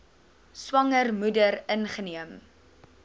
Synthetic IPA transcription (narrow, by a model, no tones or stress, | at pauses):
swɐŋərmudərənχəniəm